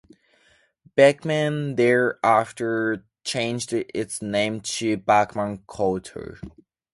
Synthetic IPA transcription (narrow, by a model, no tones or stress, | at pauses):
b̥ækmæ̃nðɛ˞æftə˞ | t͡ʃʰẽɪ̃nd͡ʒdɪtsnẽɪ̃mtʰɨbakmə̃nkʰoltʰə̰